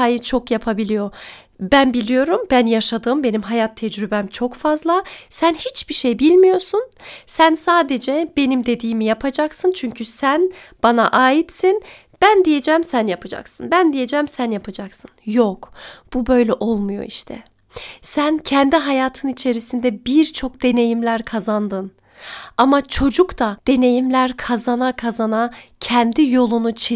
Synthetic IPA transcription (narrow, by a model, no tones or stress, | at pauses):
ajit͡ʃʰo̞kjapʰabilʲijo̞ | bænbilʲijo̞ɾumbænjaʃad̪ɯːmbe̞nimɦajat̪ʰːɛd͡ʒɾybɛmt͡ʃʰo̞kfazlˠasænhit͡ʃbiʃejbilʲmijo̞sunsænsaːd̪ed͡ʒɛb̥e̞nimd̪e̞d̪iːmijapʰad͡ʒaksɯnt͡ʃʰyɲcʰysænb̥anaʔaːjit̪sin | b̥ænd̪ije̞d͡ʒɛmsænjapʰad͡ʒa̰ksɯnbænd̪ije̞d͡ʒɛmsænjapʰad͡ʒaksɯnjokb̥ubø̞jlʲɛʔo̞lˠmujo̞̰iʃt̪ʰɛ̰ | sæncʰɛnd̪iɦajaːt̪ʰɯnit͡ʃʰe̞ɾisind̪ɛbiɾt͡ʃʰo̞k̚d̪̥e̞ne̞jimlʲæɾkʰazand̪ɯn | amat͡ʃʰo̞d͡ʒukt̪ʰad̪̥e̞ne̞jimlʲæɾkʰazanakʰazanacʰɛnd̪ijo̞lˠunut͡ʃʰi